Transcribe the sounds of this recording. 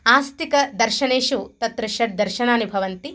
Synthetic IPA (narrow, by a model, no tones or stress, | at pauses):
aːst̪ikɐd̪ɐɾʃɐneːʃut̪ɐt̪ɾɐʃɐʈ̚d̪ɐɾʃɐnaːnibʱɐʋɐnt̪i